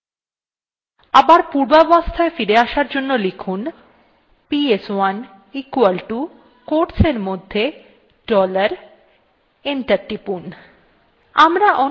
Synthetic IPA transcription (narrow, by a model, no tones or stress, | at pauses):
abaɾpuɾbabast̪ʰaefiɾeaʃaɾd͡ʑonːolikʰun | pieswan | ikualʈu | koɾseɾmod̪ʱːe | ɖɔlaɾ | eɳʈaɾʈipun | amɾaʔɔ